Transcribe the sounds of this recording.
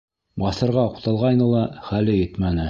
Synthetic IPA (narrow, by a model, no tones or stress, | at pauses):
bɑsɤ̆ɾʁɑŏqt̪ɑlˠʁɑjnɤlˠɑχælɘjɘt̪mænɘ